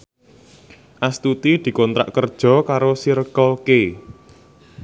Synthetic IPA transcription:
ʔast̪ut̪id̪̥i̤kɔnt̪ɾa̰ʔkərd̥ʒ̥ɔ̤kaɾosiɾəkɔlke

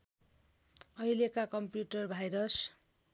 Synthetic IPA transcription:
ʌjlekakʌmpjuʈʌrbʱajɾʌs

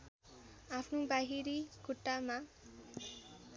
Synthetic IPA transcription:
apʰnobaɦiɾikuʈːama

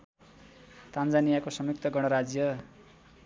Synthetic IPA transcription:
t̪and͡zanijakosʌmjuk̚t̪ʰʌɡʌɽ̃ʌɾad͡zjʌ

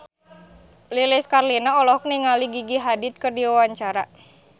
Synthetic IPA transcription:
lilɛskarlinaɔlɔhk̚niŋaliɡiɡiɦadit̪̚kərdiwawaɲt͡ʃaɾa

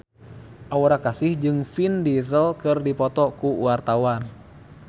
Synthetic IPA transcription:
ʔawɾakasɪhd͡ʒɨŋfindizəlkɨrdipɔt̪ɔkuṵart̪awan

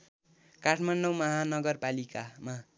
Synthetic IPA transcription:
kaʈʰmaɳɖomʌɦanʌɡʌrpalikama

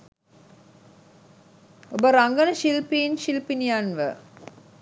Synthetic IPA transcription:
obəɾaŋɡənəʃilpinʃilpinijanʋə̰

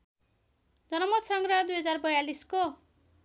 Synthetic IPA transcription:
d͡zʌnʌmʌt̪sʌŋɡɾʌd̪ujɦʌd͡zarbʌjalisko

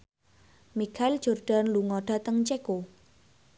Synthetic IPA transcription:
mikʰaɪld͡ʒ̥orɖ̥a̤nluŋɔɖ̥a̤t̪əŋt͡ʃeko

